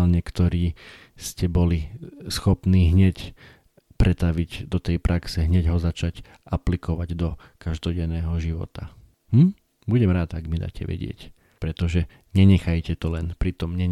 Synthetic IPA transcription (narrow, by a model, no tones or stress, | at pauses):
lɲɛkt̪ɔɾiː | scɛbɔlisxɔpniːɦɲɛc | pɾʔɛt̪aʋiɟd̪ɔt̪ɛjpɾʔaksɛɦɲɛɟɦɔzat͡ʃac | ʔaplikɔʋaɟd̪ɔ | kaʒd̪ɔɟɛnɛːɦɔʒiʋɔ̰t̪a | mm̩ | buɟɛmɾaːt̪aɡmid̪a̰ːcɛ̰ʋɛ̰ɟɪɛ̰c | pɾɛt̪ɔʒɛ | ɲɛɲɛxajcɛt̪ɔlɛnpɾit̪ɔmɲɛ